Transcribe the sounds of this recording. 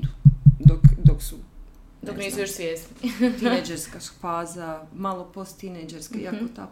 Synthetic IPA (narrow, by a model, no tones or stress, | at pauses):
d̪ud̪okd̪oksu | d̪okniːsujoʃsʋjeːsniied͡ʒeɾskasu̥paːzamalˠopost̪t̪ined͡ʒeɾskeiakot̪ak